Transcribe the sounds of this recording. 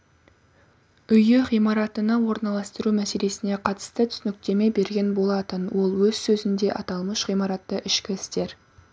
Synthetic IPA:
ʏjɪʁijmɑɾɑt̪ənɑwo̞ɾnɑlˠɑst̪əɾumæse̞le̞sɪne̞qʰɑt̪ə̥st̪ət̪ʰʏsnɪk̚t̪e̞me̞jbe̞ɾɡʲe̞nbo̞lˠɑt̪ənwo̞lˠwɵz̥sɵzɪnd̪e̞ʔɑt̪ɑlˠməʃʁijmɑɾɑt̪ːəʔɪʃkʲɪɪst̪e̞ɾ

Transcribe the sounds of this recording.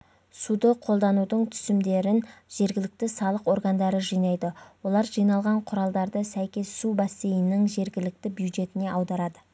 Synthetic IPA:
sud̪əqʰo̞lˠd̪ɑnud̪əɴt̪ʰʏ̥sɪmd̪e̞ɾɪnʒ̥e̞ɾɡʲɪlɪk̚t̪ɪsɑlˠəqo̞ɾɡand̪ɑɾəʒijnɑjd̪əwo̞lˠɑɾʒijnɑlˠʁɑɴqʰʊɾɑlˠd̪ɑɾd̪əsæjkʲe̞sːubasːejɪnɪŋʒe̞ɾɡʲɪlɪk̚t̪ɪbjud̪ʒe̞t̪ɪne̞ʔɑwd̪ɑɾɑd̪ə

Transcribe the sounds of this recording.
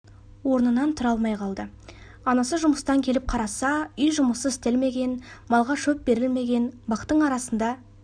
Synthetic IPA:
wo̞ɾənənɑnt̪ʰʊɾɑlˠmɑjqʰɑlˠd̪ə | ɑnɑsəʒʊməst̪ɑŋkʲʰe̞lɪp̚qʰɑɾɑsɑʏjʒʊməsəɪst̪e̞lme̞ɡʲe̞nmɑlˠʁɑʃɵp̚be̞ɾɪlme̞ɡʲe̞nbɑqt̪ːəɴɑɾɑsənd̪ɑ

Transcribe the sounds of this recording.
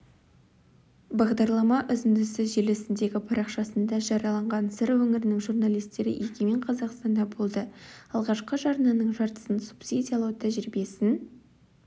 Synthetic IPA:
bɑʁd̪ɑɾlˠɑmɑʔʏzɪnd̪ɪsɪʒelesɪnd̪e̞ɡʲɪpʰɑɾɑqʃɑsənd̪ɑʒɑɾɑlˠɑɴʁɑnsɪɾwɵŋɪɾɪnɪŋʒurnɑlˠijst̪e̞ɾɪ̰ʔekʲemeɴqʰɑzɑqst̪ɑnd̪ɑbo̞lˠd̪əɑlˠʁɑʃqəʒɑɾnɑnəɴʒɑɾt̪ə̥sənsu̥psid̪ʲijɑlˠɑwət̪ʰæʒɪɾbe̞sɪn

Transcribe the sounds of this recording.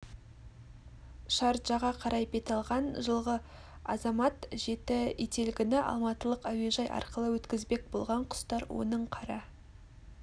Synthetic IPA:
ʃɑɾʒ̥ɑʁɑqʰɑɾʔɑjbe̞t̪ɑlˠʁɑnʒəlˠʁə | ɑzɑmɑt̪ʒe̞t̪ɪet̪e̞lɡʲɪnɪʔɑ̰lˠmɑt̪əlˠəqæwe̞ʒɑjʔɑ̰ɾqəlˠəwɵt̪kʲɪzbe̞k̚bo̞̰lˠʁɑɴqʰʊ̥st̪ɑɾwo̞̰nəɴqʰɑɾɑ

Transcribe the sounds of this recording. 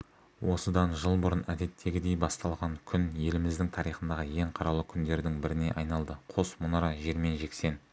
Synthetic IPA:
wo̞səd̪ɑnʒəlˠbʊɾənæd̪e̞t̪ʰːe̞ɡʲɪd̪e̞jbɑst̪ɑlˠʁɑŋkʲʰʏnje̞lɪmɪzd̪ɪŋt̪ʰɑɾijχənd̪ɑʁəje̞ɴqʰɑɾɑlˠəkʲʰʏnd̪e̞ɾd̪ɪŋbɪɾɪne̞̰ʔɑjnɑlˠd̪əqʰo̞smʊnɑɾɑʒe̞ɾme̞nʒe̞kse̞n

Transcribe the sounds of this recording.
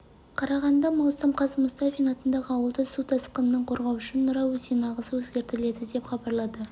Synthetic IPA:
qʰɑɾɑʁɑnd̪ɑmɑwsəmqʰɑsəmʊst̪ɑfinɑt̪ənd̪ɑʁəɑwəlˠd̪əsut̪ʰɑsqənənəɴqʰo̞ɾʁɑwʃənːʊɾɑwɵzenɑʁəsəwɵzɡʲe̞ɾt̪ɪle̞d̪ɪd̪e̞pχɑbɑɾlˠɑd̪ə

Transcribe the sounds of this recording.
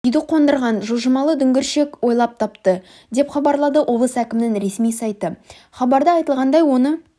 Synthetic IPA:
ʏjd̪ɪqʰo̞nd̪əɾʁɑnʒuʒəmɑlˠəd̪ʏŋɡʲɪɾʃe̞kwo̞jlˠɑp̚t̪ʰɑpt̪ə | d̪e̞pχɑbɑɾlˠɑd̪əʔo̞blˠəsækʲɪmɪnɪŋɾe̞smijsɑjt̪ə | χɑbɑɾd̪əɑjt̪əlˠʁɑnd̪ɑjwo̞nə

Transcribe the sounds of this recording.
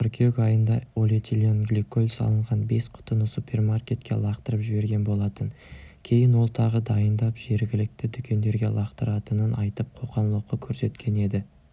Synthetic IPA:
ɾkʲʰekʲɑjənd̪ɑolʲet̪ʰʲilʲionɡlʲikːolʲsɑ̰lˠəɴʁɑnbe̞sqʰʊ̥t̪ənəsupʲe̞rmarkʲe̞t̪kʲʰːe̞̰lˠɑqt̪əɾəpʒɪbe̞ɾɡʲe̞nbo̞lˠɑt̪əŋ | kʲʰe̞jɪnwo̞lˠt̪ʰɑʁəd̪ɑjənd̪ɑpʒ̥e̞ɾɡʲɪlɪk̚t̪ɪd̪ʏkʲʰe̞nd̪e̞ɾɡʲe̞̰lˠɑqt̪əɾɑt̪ənənʔɑjt̪əp̚qʰo̞qɑnlˠəqːəkʲʰɵɾse̞t̪kʲʰe̞ne̞d̪ɪ

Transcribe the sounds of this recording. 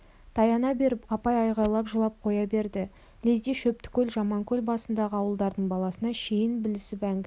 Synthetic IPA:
t̪ʰɑjɑnɑbe̞ɾɪpɑpɑjɑjʁɑɾlˠɑpʒəlˠɑp̚qʰo̞jɑbe̞ɾd̪ɪ | lezd̪eʃɵp̚t̪ɪ̥kʲʰɵlʒɑmɑŋkʲʰɵlbɑsənd̪ɑʁəɑwəlˠd̪ɑɾd̪əɴbɑlˠɑsənɑʃejɪnbɪlɪsɪpæŋɡʲ

